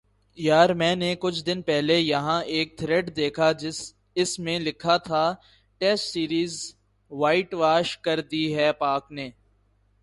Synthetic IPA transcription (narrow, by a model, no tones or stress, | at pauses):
jaːɾmɛ̃ːnekʊt͡ʃʰd̪ɪnpɛɦlejɐɦãʔeːk̚t̪ʰɾeɖd̪eːkʰa | ɪsmẽlɪkʰat̪ʰaː | ʈɛːsʈsiːɾiːz | ʋaːɪʈʋaːʃkɐɾd̪iɦɛːpaːkneː